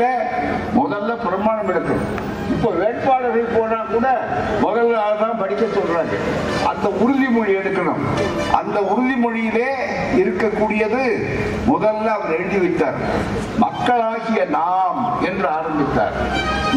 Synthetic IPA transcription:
ɐ | mɔðɐlːɐpɪɾɐmaːɳɐmɪɽɐkːɐɳʊ̰m | ɪpːoːʋeːɳpaːlɐɾɐɪpoːnaːkuːɽɐmɔðɐlːaːɣɐðãːmpɐɽɪkːɐt͡ʃːɔlɾɐl | ɐnd̪ɐʊɾʊðimɔɻiɛɽɯkːɐɳɯ̰m | ɐ̰nd̪ɐʊɾɯðɪmɔɻɪjɪleː | ɪɾɯkːɐkːuːɽɪjɐðɯ | mɔðɐlːɐːʋɐɾɛɻɯðiʋɪʈːaːɾ | mɐkːɐɭaːɣɪjɐnaːmɛndrɯaːɾɐnd̪ɯt̪ːa̰ːɾ

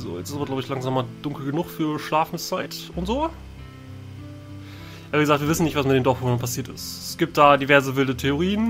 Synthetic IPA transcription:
zo̰ːjɛ̰t͡sɪstabɐɡlaʊbəɪçlaŋzaːmad̥ʊŋkl̩ɡənʊχfyːɐʃlaːfn̩st͡saɪtʊntz̥oː | ʔabiɡəzaktviːvɪsn̩nɪçtv̥asmɪtdeːndɔfʊnənpʰasiːɐtɪstɛsɡ̥iːp̚t̚d̥aːdivɛɐzəvɪldətʰeoʁ̞iːən

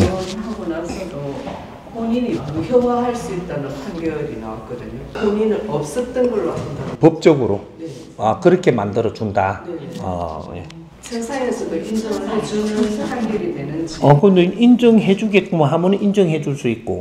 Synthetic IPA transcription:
nhaɡonasʰʌdo | koɲiɲiamuçjʌwaɦaɭs͈uit̚t͈anɯnpʰaŋɡjʌɾinawat̚k͈ʌdɯɲokoɲinɯɾʌp̚s͈ʌt͈ʌnɡʌɭːoɦamɯndapʌp̚t͡ɕ͈ʌɡɯɾo̰ne | akɯɾʌkʰe̞mandɯɾʌd͡ʑundaneʌ̰jḛ | sʰesʰaesʰʌdoʔind͡ʑʌŋaet͡ɕunɯpʰaŋɡjʌɾimenɯnd͡ʑiʌkʌndeind͡ʑʌŋɦe̞d͡ʑuɡe̞t̚k͈umanɦamunind͡ʑʌŋɦe̞d͡ʑuɭs͈uit̚k͈o

